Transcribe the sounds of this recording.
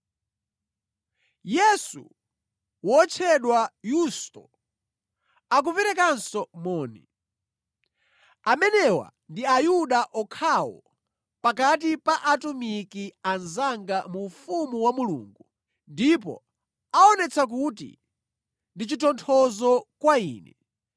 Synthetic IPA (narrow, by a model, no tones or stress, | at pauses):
jɛsṵ | wɔt͡ʃʰɛɗwajustɔ | ak̬uvɛɾɛkansɔmɔːnɛ | amɛnɛwa̰ | ndiajuɗaʔɔkʰawɔ̰ | pakat̬ipaʔatumikianzaŋɡamufumuwamulṵːŋɡu | ndipɔ̰ | aɔnɛt͡sʰak̬utḭ | ndit͡ʃitʰɔntʰɔzɔkwaiːnɛ